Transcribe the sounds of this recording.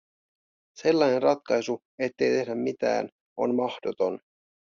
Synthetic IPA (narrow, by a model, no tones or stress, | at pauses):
se̞lːɑjnenrɑt̪kɑjsu | e̞t̪ːe̞jt̪e̞hdæmmit̪æ̰ːn | o̞̰nmɑhd̥ot̪o̞n